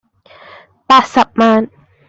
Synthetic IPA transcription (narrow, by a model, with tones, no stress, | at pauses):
pa˨sa˨p̚ma˦n